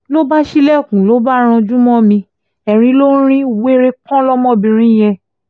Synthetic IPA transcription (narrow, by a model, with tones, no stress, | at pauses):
lo˦ba˦ʃi˦lɛ˦˨kũ˨lo˨˦ba˦ɾ̃ɔ̃˧d͡ʒũ˦mɔ̃˦mĩ˧ | ɛ˨ɾ̃ĩ˧˦lo˦ɾ̃ĩ˦u˨we˦ɾe˦kɔ̃˦lɔ˦mɔ̃˦˨bĩ˧ɾ̃ĩ˦˨j̃ɛ̃˧